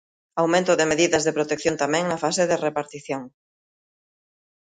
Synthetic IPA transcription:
awmẽnt̪oðemeðiðazðepɾot̪ek̚θjont̪amẽŋnafaseðerepaɾt̪iθjoŋ

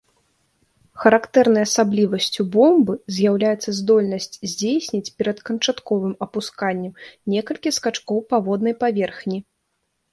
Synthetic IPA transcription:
xɐɾakt̪ɛɾnɐjɐsablʲivɐsʲt͡sʲubɔmbɨzʲjawlʲajɛt̪sːɐzd̪ɔlʲnɐsʲt͡sʲzʲd͡zʲejsʲnʲit͡sʲpʲɛɾɐt̪kɐnt͡ʂat̪kɔvɨmɐpuskanʲːɛmnʲɛkɐlʲkʲiskat͡ʂkɔwpavɔd̪nɐjpavʲɛrxnʲi

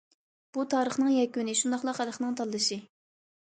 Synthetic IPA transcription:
b̥ut̪ʰɑːɾəχnɨŋjɛkʲynɪʃund̪ɑχlˠɑqælχnɨŋt̪ʰɑlˠːɨʃɨ

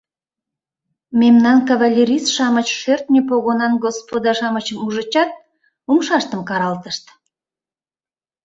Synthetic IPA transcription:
mʲemnɑnkɑvalʲːeɾʲisʃɑmət͡ɕʃørt̪̚nʲepoɣonɑnɡospod̪ɑʃɑmət͡ɕəmuʒət͡ɕɑt̪̚ | umʃɑʃt̪əmkɑɾɑlt̪əʃt̪

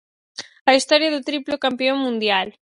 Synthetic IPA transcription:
ɐist̪ɔɾjaðot̪ɾiplokampioŋmːũnd̪jal

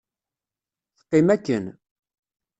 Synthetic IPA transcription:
θqːɪmækːən

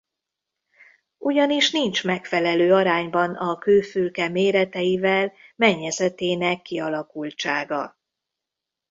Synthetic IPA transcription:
uɟɒniʃnint͡ʃmɛkfɛlɛløːɒɾaːɲbɒnɒkøːfylkɛmeːɾɛt̪ɛjivɛlmɛɲːɛzɛt̪eːnɛkːiɒlɒkult͡ʃaːɡɒ̰

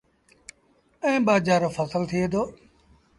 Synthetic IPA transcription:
ə̃ẽːbaːd͡ʒaːɾoːfʰəsəlt̪ʰɪeːd̪oː

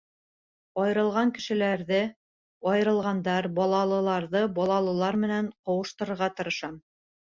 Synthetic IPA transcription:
ɒjɤ̆ɾɤ̆lˠʁɑŋkɘ̆ʃɘ̆læɾðɘ | ɒjɤ̆ɾɤ̆lˠʁɑnd̪ɑɾbɒlˠɑlˠɤ̆lˠɑɾðɤbɒlˠɑlˠɤ̆lˠɑɾmɘ̆næɴqɑwɤ̆ʃt̪ɤ̆ɾɤ̆ɾʁɑt̪ɤ̆ɾɤ̆ʃɑm

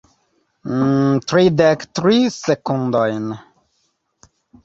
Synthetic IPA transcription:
t̪ɾid̪ɛkt̪ɾisekũnd̪ɔjn

